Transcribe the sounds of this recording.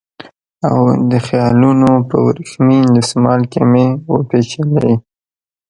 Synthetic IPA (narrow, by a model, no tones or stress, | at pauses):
awd̪əxjɑlunopə̰wɾixmind̪əsmɑlkamewopet͡ʃelḛ